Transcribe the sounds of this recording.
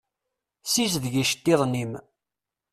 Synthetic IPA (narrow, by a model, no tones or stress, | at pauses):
sisðʝiʃt̪ːiðˤnim